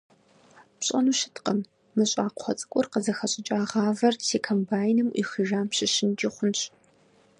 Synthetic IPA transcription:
pɕʼɐnuːʃɪ̥tqəmː | ɨɕʼaːqʰʷɔt͡sʼɨ̥kʷʼɔrqəzɐxɐɕʼɪt͡ʃʼaːʁaːvɐrsʰeːkʰɐmbaːjnɨmʔḭːxiʒaːmɕɪʃɪnt͡ʃʼɪχʷʊnɕʼ

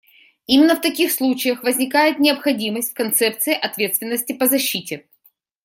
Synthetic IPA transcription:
imʲɪnːəft̪ɐkʲixslˠut͡ɕɪjəxvəzʲnʲɪkajɪt̪nʲɪəpxɐdʲiməsʲtʲfkɐnt̪sɛp̚t̪sɨɪʔɐt̪vʲet̪st̪vʲɪnːəsʲtʲɪpəzɐɕːitʲɪ

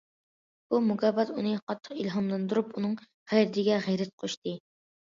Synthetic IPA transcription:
b̥umuɡʲɛbɑt̪unɨqʰɑt̪ʰːə̥qilɦɑmlˠɨnd̪uɾupunɨŋ | ʁɛjɾɪt̪ʰɪɡʲɛʁɛjɾɛt̪̚qʰoʃt̪ɨ

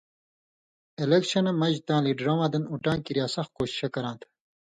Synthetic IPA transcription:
elekɕɐnɐmɐʑt̪ãːliɖɾɐwãːd̪ɐnuʈãːkiɾjaːsɐxkoːɕi̥ɕɐkɐɾãːnt̪ʰ

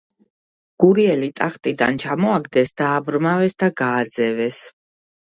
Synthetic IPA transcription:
ɡ̥uɾiɛlit̪ʼaχt̪ʼid̪a̰nt͡ʃʰamɔaɡd̪ɛsd̪̥aːbɾmavɛsd̪aɡaːd̪zɛvɛs

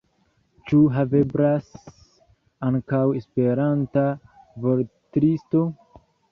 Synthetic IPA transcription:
t͡ʃuɦave̞bɾas | aŋkawe̞spe̞ɾanta | voɾtɾisto̞

